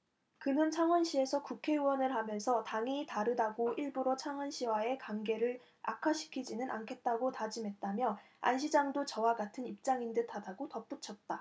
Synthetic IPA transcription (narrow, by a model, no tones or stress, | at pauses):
kɯnɯnt͡ɕʰaŋwʌnɕʰie̞sʰʌkukʰe̞uwʌnɯɭɦamjʌnsʰʌtaŋitaɾɯdaɡoiɭbuɾot͡ɕʰaŋɦwʌnɕʰiwae̞kaŋɡe̞ɾɯɭ | a̰kʰaɕʰi̥kʰid͡ʑinɯnʔa̰nkʰe̞t̚t͈aɡotad͡ʑimɦe̞t̚t͈amjʌ | a̰nɕʰid͡ʑaŋdot͡ɕʌwaɡatʰɯnip̚t͡ɕ͈aŋindɯtʰadaɡotʌp͈ut͡ɕʰʌt̚t͈a